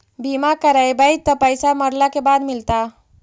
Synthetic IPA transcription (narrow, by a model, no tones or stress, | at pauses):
bimakəɾajbəjd͡ʒt̪əpəjsaməɾlakebad̪milt̪a